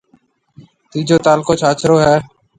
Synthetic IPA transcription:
t̪iːd͡ʒoːt̪aːlkoːt͡ʃʰaːt͡ʃɾoːɦɛː

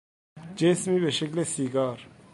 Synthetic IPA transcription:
d͡ʒeːsmibeʃeklesiːɡaːɾ

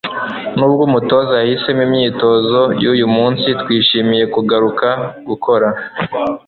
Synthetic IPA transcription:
nuːbɡuːmuto̞zaahise̞mimɲiːto̞zo̞juːjumuːnsitwiːʃimije̞kuɡaɾukaɡukʰo̞ɾa

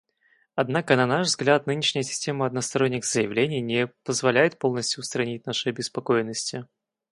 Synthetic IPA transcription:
ɐd̪nakənɐnaʂvzɡlʲat̪̚nɨnʲɪʂnʲɪjəsʲɪ̥sʲtʲe̞məɐd̪̚nəst̪ɐɾonʲːɪɣz̥əjɪvlʲenʲɪjnʲɪpəzvɐlʲæjɪt̪̚po̞lˠnəsʲtʲjʊːst̪ɾɐnʲit̚ʲnaʂɨɐbʲɪspɐkojɪnːəsʲtʲɪ

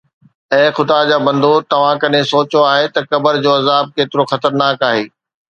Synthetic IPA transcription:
ɛ̃ːxʊd̪ad͡ʑaːbɐ̃nd̪ʱot̪ɐʋ̤ãkɐɗẽsoːt͡ɕoaːɦet̪ɐkɐbəɾd͡ʑoːɐzaːb̚keːt̪ɪɾoxɐt̪əɾnaːkaːɦeː

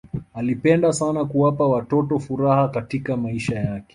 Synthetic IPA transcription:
alipɛndasanakuwapawatɔtɔfuɾahakatikamaiʃajakɛ̥

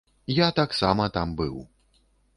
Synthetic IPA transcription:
jat̪aksamɐt̪ambɨw

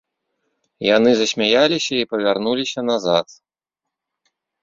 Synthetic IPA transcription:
jan̪ɨzɐsʲmʲajalʲisʲɐipɐvʲarnulʲisʲɐnazat̪

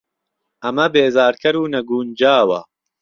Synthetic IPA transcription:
ʔɐmɐbeːzaːɾkʰɐɾuːnɐɡuːnd͡ʒaːwɐ̰

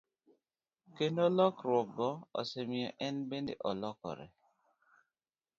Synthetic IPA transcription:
kenɔlɔkɾɔkɡɔɔ̰semiɔʔɛnbenḛʔɔlɔkɔ̰ɾɛ̰

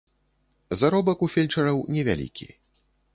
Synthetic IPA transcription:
zaɾɔbɐkufʲɛlʲt͡ʂɐɾɐwnʲɛvʲa̰lʲḭkʲḭ

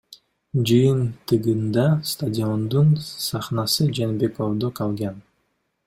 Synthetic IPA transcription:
d͡ʒɯjɯnt̪ɯʁɯnd̪ɑst̪adʲio̞nd̪unsɑχnɑsɯd͡ʒenbeko̞vd̪oqɑlˠɡɑn

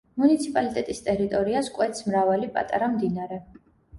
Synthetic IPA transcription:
munit̪sʰipʼalit̪ʼɛt̪ʼist̪ʼɛɾit̪ʼɔɾiaskʼwɛt̪smɾavalipʼa̰t̪ʼa̰ɾamd̪inaɾɛ

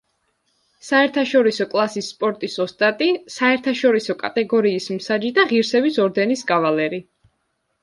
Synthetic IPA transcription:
saɛɾt̪ʰaʃɔɾisɔkʼlˠasisːpʼɔɾt̪ʼisɔst̪ʼat̪ʼisaɛɾt̪ʰaʃɔɾisɔkʼat̪ʼɛɡɔɾiːsmsad͡ʒid̪aʁiɾsɛbisɔɾd̪ɛnisɡʼavalɛɾi

